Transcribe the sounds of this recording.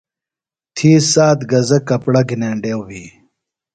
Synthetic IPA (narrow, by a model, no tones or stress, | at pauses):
t̪ʰiːsaːt̪ɡɐzɐkːɐpɽɐɡineːɳɖewwiː